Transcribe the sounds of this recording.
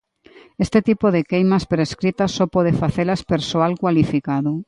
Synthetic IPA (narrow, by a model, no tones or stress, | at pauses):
est̪et̪ipoðekejmaspɾeskɾit̪asːɔpɔð̞efaθelaspeɾsoalkwalifikaðʊ